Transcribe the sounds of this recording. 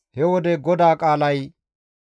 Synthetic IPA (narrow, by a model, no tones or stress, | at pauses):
hɛwɔd̪ɛɡɔd̪aːkʼaːlɐj